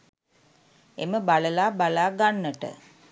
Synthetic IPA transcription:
eməbaləlaːbalaːɡanːəʈə̰

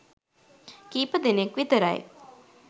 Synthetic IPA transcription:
kiːpəd̪enekʋit̪əɾɐ̰j

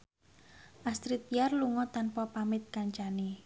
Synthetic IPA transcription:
ʔast̪ɾit̪̚iarluŋɔt̪anpɔpamɪt̪̚kaɲt͡ʃani

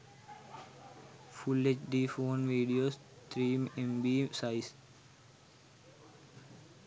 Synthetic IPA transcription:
fulːet͡ʃɖiːfoːnʋiːɖijoːs | t̪ɾiːmẽmbiːsaɪs

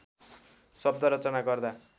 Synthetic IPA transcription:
sʌb̚d̪ʌɾʌt͡sʌnaɡʌrd̪a

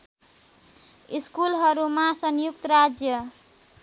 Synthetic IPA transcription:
iskulɦʌɾumasʌnjukt̪ʌɾad͡zjʌ

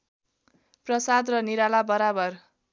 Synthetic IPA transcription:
prʌsad̪rʌniɾalabʌɾabʌr

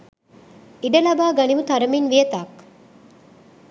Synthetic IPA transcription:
iɖɐlɐbaːɡɐnimut̪ɐɾɐminʋijɐt̪aːk

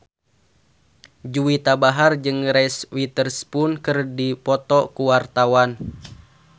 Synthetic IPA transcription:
d͡ʒuwit̪abaɦard͡ʒɨŋɾɛswit̪ərspunkɨrdipɔt̪ɔkuwart̪awan

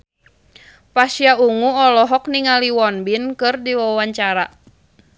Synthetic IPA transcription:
pasiauŋuɔlɔɦɔkniŋaliwɔnbinkɨrdiwawaɲt͡ʃaɾa

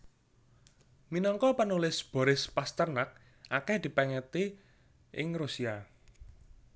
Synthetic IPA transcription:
minɔŋkɔpənulɪsb̥ɔ̤ɾɪspast̪ərnak̚ | ʔakɛhd̪̥i̤pɛŋɛt̪i | ʔɪ̰ŋrusia

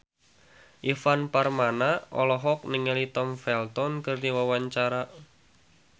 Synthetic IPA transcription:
ʔifanparmanaɔ̰lɔɦɔk̚nɪŋelit̪ɔmfɛlt̪ɔnkɨrdiwawaɲt͡ʃaɾaʔ

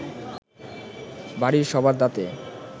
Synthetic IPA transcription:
baɾiɾʃɔbʱaɾd̪at̪e

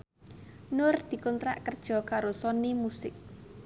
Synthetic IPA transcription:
nʊrd̪̥i̤kunt̪ɾa̰ʔkərd̥ʒ̥ɔ̤kaɾosɔnimusɪk̚

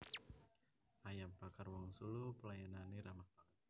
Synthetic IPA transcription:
ajampakarwɔŋsulupəlajananiɾama

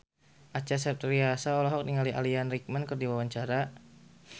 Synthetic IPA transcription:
ʔat͡ʃasɛp̚t̪riasaɔlɔɦɔk̚niŋaliʔa̰lianrik̚mankərdiwawaɲt͡ʃaɾa

